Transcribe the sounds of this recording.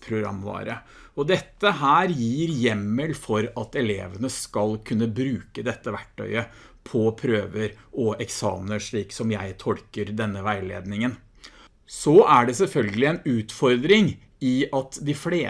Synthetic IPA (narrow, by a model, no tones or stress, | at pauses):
pʰɾʊɡɾɑ̰mːʋɑ̰ːɾə | ɔd̪ɛt̪ːəɦæːɾjiːɾjɛmːəlfɔɾɑt̪ɛlḛːʋənəskɑlkʰʉnːəbɾʉːkəd̪ɛt̪ːəʋæʈʰːœ̰ʏə | pʰɔpʰɾøːʋəɾɔʔɛksɑ̰ːmənəʂɭiːksɔmjæɪt̪ʰɔlkəɾd̪ɛnːəʋæɪlḛːd̪nɪŋən | sɔʔæɖɛsɛlfœlɡəlɪɛnʉːt̪fɔɾd̪ɾɪŋ | ɪɑt̪d̪ɪfleː